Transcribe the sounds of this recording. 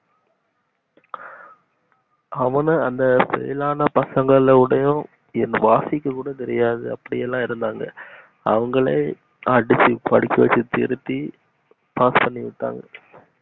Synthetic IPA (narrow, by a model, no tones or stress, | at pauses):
ɐʋɐnɯɐnd̪ɐpɛ̰ɪlaːnɐpɐsɐŋɡɐɭʋɪɽɐjʊ̃ | ɛnːʋaːsɪkːɐkːuːɽɐt̪ɛɾɪjaːðɯɐpːɐɽɪjɛlːãːɪɾɯnd̪aːŋɡɐ | ɐʋɐŋɡɐɭɐ̰ | ɐɖɪsikɐɽɪkːɐʋɐ̰t͡ʃːɯt̪ɪ̰ɾɯt̪ːi | paːspɐɳːiʋɪʈːa̰ːŋɡɐ